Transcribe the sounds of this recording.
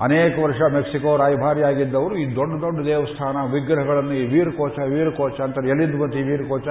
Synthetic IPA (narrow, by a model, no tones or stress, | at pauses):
ɐneːkɐʋɐɾʂɐmeksikoːɾaːjbʱaːɾjaːɡid̪ːɐʋɐɾuiːd̪oɖːɐd̪oɖːɐd̪ɛːʋɐst̪ʰaːnɐʋiɡɾɐɦɐɡɐɭɐnːuiːʋiːɾɐkoːt͡ʃɐʋiːɾɐkɔːt͡ʃɐːnt̪ɐelːind̪uɡɐnt̪ːiːʋiːɾɐkoːt͡ʃɐ